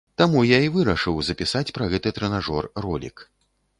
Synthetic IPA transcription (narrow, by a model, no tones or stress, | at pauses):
t̪amujaivɨɾɐʂɨwzɐpʲisat͡sʲpɾɐɣɛt̪ɨt̪ɾɛnaʐɔrːɔlʲḭk